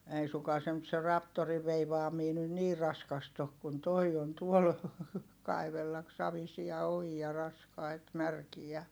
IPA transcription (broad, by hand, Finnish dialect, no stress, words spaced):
ei suŋkɑː se nyt se rɑptoriʋ ʋeiʋɑːmiː nyn niː rɑskɑst ok kun toi on tuol kɑiʋelːɑk sɑʋisiɑ ojiɑ rɑskɑit mærkijæ